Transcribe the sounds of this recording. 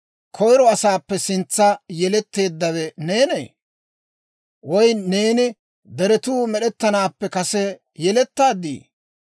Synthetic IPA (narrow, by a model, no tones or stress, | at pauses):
kʰɔjɾɔɐsaːpːɛsɪnt͡sːɐjɛlɛt̪ːe̞ːd̪ːɐwɛneːnḛː | wɔjne̞ːnɪ | d̪ɛɾɛt̪uːmɛɗɛt̪ːɐnaːpːɛkɐsɛ | jɛlɛt̪ːaːd̪ḭː